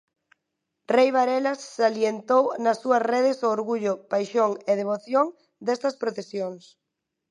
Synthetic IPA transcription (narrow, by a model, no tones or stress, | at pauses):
rejβaɾelɐsːaljent̪ownɐsːuɐsreðɪsoːɾɣuʎʊpajʃoŋeð̞eβ̞oθjoŋ | d̪ɛst̪ɐspɾot̪esjoŋs